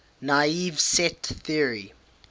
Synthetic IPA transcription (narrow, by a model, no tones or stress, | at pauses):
naivsɛtθiəɹi